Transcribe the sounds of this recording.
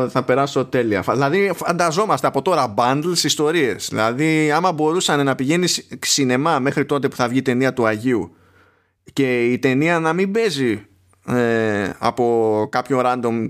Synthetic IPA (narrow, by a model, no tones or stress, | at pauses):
θɐpe̞ɾɐso̞t̪e̞liɐ̰fðilɐðifɐnd̪ɐzo̞mɐst̪e̞ɐpo̞t̪o̞ɾɐbɐnd̪lsist̪o̞ɾie̞zðḭlɐðiɐmɐbo̞ɾusɐne̞nɐpiʝe̞nisksine̞mɐme̞xɾit̪o̞t̪e̞pu̥θɐvʝit̪e̞niɐt̪uɐʝiu | ce̞it̪e̞niɐnɐmibe̞zi | eɐ̰po̞kɐpço̞ɾɐnd̪o̞m